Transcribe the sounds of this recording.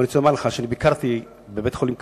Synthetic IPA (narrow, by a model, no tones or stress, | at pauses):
nit͡soamaʁleχaʃeanibikaʁt̪i | bebet̪χolimk